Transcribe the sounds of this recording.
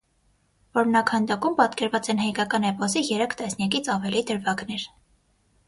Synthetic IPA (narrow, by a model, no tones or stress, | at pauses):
vɔɾmnɑkʰhɑnd̪ɑkumpɑt̪kɛɾvɑt͡sɛnhɑjkɑkɑnɛpɔsijɛɾɛkʰt̪ɛsnjɑk̬it͡sʰɑvɛlid̪əɾvɑɡnɛɾ